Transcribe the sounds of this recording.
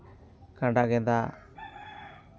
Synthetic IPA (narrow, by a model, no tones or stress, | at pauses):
kaɳɖaɡɛnd̪a